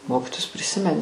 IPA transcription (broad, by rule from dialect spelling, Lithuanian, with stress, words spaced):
ˈmoːkʲɪtoːjʊs pʲrʲɪˈsʲɪmʲɛnʲɪ